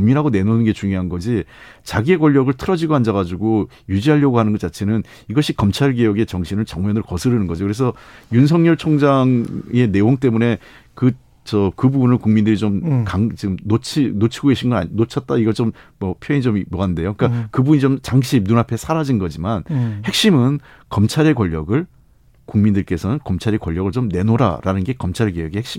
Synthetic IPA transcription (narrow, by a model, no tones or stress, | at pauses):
ʌmiɾaɡone̞nonɯnɡe̞t͡ɕuŋjoɦanɡʌd͡ʑi | t͡ɕaɡie̞kwʌʎːʌɡɯɭtʰɯɾʌd͡ʑiɡoɦand͡ʑaɣad͡ʑuɡo | jud͡ʑiɦaʎːʌɡoɦanɯnɡʌt͡ɕ͈at͡ɕʰe̞nɯn | iɡʌɕʰikʌmt͡ɕʰaɭɡijʌɡe̞t͡ɕʌŋɕʰinɯɭt͡ɕʌŋmjʌnɯɭkʌsʰɯɾɯnɯnɡʌd͡ʑiokɯɾes̬ʰʌjuns̬ʰʌŋɲʌɭt͡ɕʰoŋd͡ʑaŋe̞ne̞oŋt͈e̞mune̞ | kɯ | t͡ɕʌkɯbubunɯɭkuŋmindɯɾit͡ɕomkaŋt͡ɕiɡɯmnot͡ɕʰinot͡ɕʰiɡoɡeɕʰinɡʌna̰not͡ɕʰʌt̚t͈aiɡʌt͡ɕommʌpʰjoiɲt͡ɕommʌɦande̞jokk͈akɯbuɲit͡ɕomt͡ɕaŋɕʰinunɦapʰe̞sʰaɾad͡ʑinɡʌd͡ʑimanhe̞k̚ɕ͈imɯn | kʌmt͡ɕʰaɾe̞kwʌʎːʌɡɯɭ | kuŋmindɯɭk͈e̞sʰʌnɯnkʌmt͡ɕʰaɾekwʌʎːʌɣɯɭt͡ɕomne̞noɾa̰ɾa̰nɯnɡe̞kʌmt͡ɕʰaɾɭɡejʌɡihekɕ͈i